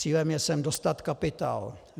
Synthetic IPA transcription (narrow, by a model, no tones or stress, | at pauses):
iːlɛmjɛsɛmdost̪at̪kapɪt̪a̰ːl